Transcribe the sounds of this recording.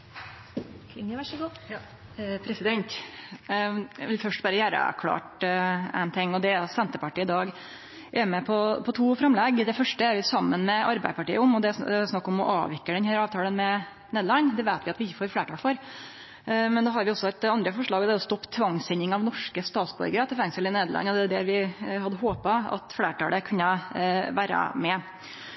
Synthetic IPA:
k̪ʰɪŋəæʂəɡː | pʰɾɛsɪd̪ɛnt̪ | ʋɪlfœʂʈbɑːɾəjæːɾə̰kʰlɑ̰ːʈæ̰ɪnt̪ʰɪŋːɔd̪ɛɾsɛnt̪əpɑʈiːəɪd̪ɑːɡ | ʔɛɾmɛpʰɔpʰɔt̪ʰuːfɾɑmlɛɡd̪ɛfœʂʈəæɾʋɪsɑmːənmɛʔɑɾbæ̰ɪd̪əpɑʈḭːəɔmɔd̪ɛæsnɑkːɔmɔʔɑ̰ːʋɪkːəɖɛnhæːɾɑːʋt̪ʰɑːlənmɛ | neːd̪lɑnːd̪ɛʋæɪt̪ʋɪɑt̪ʋɪɪçəfoːɾfleːʈʰɑːlfɔɾ | mɛnd̪ɑːɦɑɾʋɪɔsːɔæɪt̪ɑnd̪ɾəfɔʂɭɑːɡd̪ɛæɾɔst̪ɔpːt̪ʰʋɑŋsɛnːɪŋɑʋnɔʂkəst̪ɑːt̪sbɔ̰ɾɡəɾət̪ʰɛfæŋsəlɪneːd̪əlɑ̰nːɔd̪ɛæɖ̪ɛɾʋɪɦɑd̪ːəɦoːpɑɑ̰t̪fleːʈʰɑ̰ːləkʰʉnːəʋæːɾə̰mɛ

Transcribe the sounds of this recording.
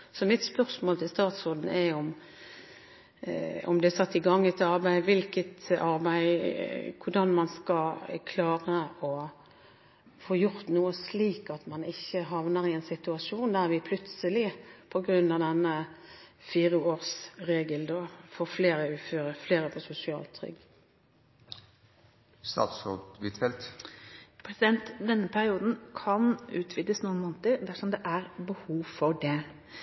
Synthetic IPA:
sɔmɪt̪spœʁsmoːlt̪ʰɪlst̪ɑːt̪sɔd̪n̩æɔm | ɔ̰md̪ɛæsɑt̪ːɪɡɑŋːɛt̪ɑɾbæɪʋɪlkət̪ɑɾbæɪkʰʊɖɑnmɑnskɑkʰlɑːɾəɔ | foːjʊɾt̪nuːəsliːkɑt̪mɑnɪçːəɦɑʋnəʁɪɛnsɪt̪ʉɑʂuːnd̪æɾʋɪpʰlʉt̪səlɪpʰɔɡɾʉnɑʋd̪ɛnːə | fiːɾəoːɾsɾeːɡəld̪ofoːfleːɾəʉːføːɾəfleːɾəfɔsʊsɪɑ̰ːlt̪ʰɾʏ̰ɡ | st̪ɑ̰ːt̪sod̪ʋɪt̪ʰɛlt̪ | pʰɾɛsɪd̪ɛnt̪d̪ɛnːəpʰæɾɪuːd̪n̩kʰɑnʉːt̪ʰʋɪd̪əsnuːənmoːnt̪əd̪æsɔmd̪ɛʔæɾbəhuːʋfɔɖɛ

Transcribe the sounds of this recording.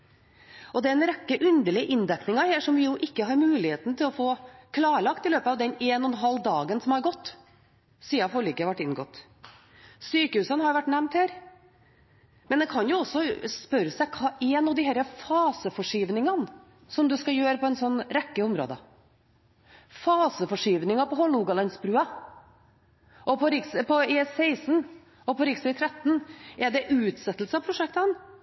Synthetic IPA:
ɔd̪ɛɛnɾɛkːəʔʉnd̪əɭɪəʔɪnd̪ɛknɪŋɑheːʂɔmʋɪjʊʔɪkːəɦɑɾmʉːlɪheːt̪n̩t̪ʰɪlɔfoːkʰlɑːɾɭɑkt̪ɪløːpət̪ɑːʋd̪ɛneːnɔnɦɑld̪ɑːɡənsɔmhɑɾɡɔt̪ː | siːɑfɔɾɭʏːkːəʋæʈːɪnɡɔt̪ː | syːkəhʉːsənhɑjʋæʈːnæmnt̪hæːɾ | mɛnd̪ɛkʰɑnjʊɔsːɔspœɾəsæɪkʰɑːʔɛnuːd̪ɪɦæɾəfɑːsəfɔʂiːʋnɪŋɑn | sɔmd̪ʉskɑjøːɾəpʰɔɛnsɔnːɾɛkːəɔmɾo̰ːd̪ə | fɑːsəfɔʂiːʋnɪŋɑpɔɦɔlːuɡɑlɛnsbɾʉːɑ | ʔɔpʰɔɾɪksəpʰɔesɛɪsn | ɔpɔɾɪkst̪ʰɾɛt̪ːn̩ɛɖɛʔʉːt̪sɛt̪ːlsəɑpʰɾʊʂɛkt̪ən

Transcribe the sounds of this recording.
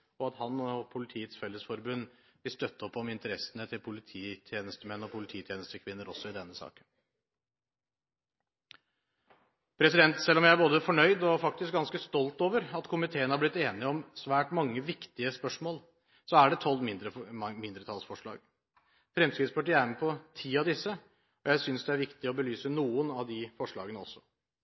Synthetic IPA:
ɔɑt̪hɑnɔpʰʊlɪt̪ʰiːət̪sfɛlːəsfɔɾbʉnːʋɪlst̪œt̪ːəɔpːɔmɪnt̪əɾɛsənət̪ʰɪlpʰʊlɪt̪ʰiːt̪ʰjeːnəst̪əmɛnːɔpʰʊlɪt̪ʰiːt̪ʰjeːnəst̪əkʰʋɪnːəɾɔsːɔɪd̪ɛnːəsɑ̰ːkə̥n | pʰɾɛsɪd̪ɛnt̪sɛlːɔmjæɪæboːd̪əfɔɳœʏd̪ɔfɑk̚t̪ɪsk̚ɡɑnskəst̪ɔlt̪oːʋəɾɑt̪kʰʊmɪt̪ʰeːənhɑɾblɪt̪ːeːnɪəɔmsʋæːʈmɑŋːəʋɪkt̪ɪəspœʂmoːl | sɔæɖɛt̪ʰɔlːmɪd̪əmɪnd̪ɾət̪ʰɑlsfɔʂɭɑ̰ːɡ | fɾɛmskɾɪt̪spɑʈɪæmɛpʰɔt̪ʰiːɑd̪ɪsːə | ɔjæɪsʏnsd̪ɛæɾʋɪkt̪ɪɔbəlyːsənuːənɑʋd̪ɪfɔʂɭɑ̰ːɡənəɔ̰sːɔ̥

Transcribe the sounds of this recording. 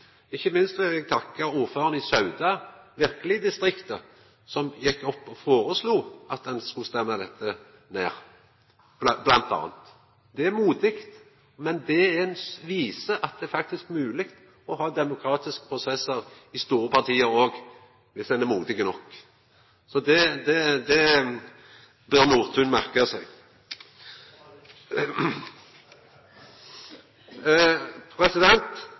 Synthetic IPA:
ɪçːəmɪnst̪ʋɪlɛɡ̚t̪ʰɑkːɑuːɾføːʁənəɪsœʉd̪ɑʋɪɾkəlɪd̪ɪst̪ʁɪkt̪ə | sɔmjɛkːɔpːɔfoːɾəsluːɑt̪̚d̪ɛnskʉlst̪ɛmːɑd̪ɛt̪ʰːə | nḛːʁ | blɑnt̪ɑ̰ːnt̪ | d̪ɛæmuːd̪ɪkt̪ | mɛnd̪ɛæɾɛnʋiːsəʔɑt̪̚d̪ɛæɾfɑk̚t̪ɪskmʉːlɪɡt̪ | ɔɦɑːd̪ɛmʊkʰɾɑːt̪ɪskə̥pʰʁʊsɛsəʁ | ɪst̪uːɾəpʰɑʁt̪ʰiːəɾoːɡ | ʋɪsd̪ɛnɛmuːd̪ɪɡənɔkː | sɔd̪ɛd̪ɛd̪ɛ | bœʁnuːʁt̪ʰʉnmæʁkəsæɪɡ | pʰɾɛsɪd̪ɛnt̪

